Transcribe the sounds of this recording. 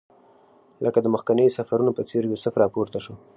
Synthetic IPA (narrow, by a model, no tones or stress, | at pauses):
lʔəkad̪əməxkanəjsafaɾunopət͡seɾjosəfɾɑpoɾt̪aʃo